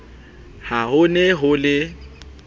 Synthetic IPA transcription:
haɦʊnɛɦʊlɪ

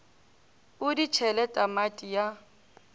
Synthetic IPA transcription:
ʊdit͡ʃʰɛlɛtʼamatʼija

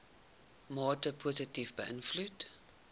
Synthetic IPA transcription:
mɑːtəpʰozətifbəʔənflut

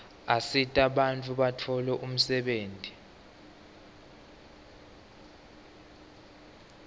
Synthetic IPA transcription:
asitʼaɓant͡fʼuɓatʰɔlɛʔum̩sɛɓeːntʼi

